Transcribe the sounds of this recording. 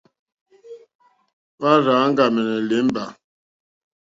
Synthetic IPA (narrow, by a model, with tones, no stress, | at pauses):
wa˦ɾaː˨˦ŋ̩˦ɡa˨mɛ˨nɛ˨le˨˦m˦ba˨